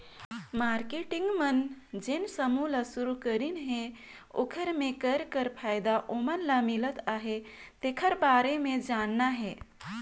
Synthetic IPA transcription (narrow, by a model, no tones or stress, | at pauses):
maɾkeʈiŋɡmənd͡ʒensəmulasuɾukəɾinɦe | o̰kʰəɾmẽkəɾkəɾpʰajd̪aʔomənlamilət̪aɦet̪ekʰəɾbaɾemẽd͡ʒanːaɦɛ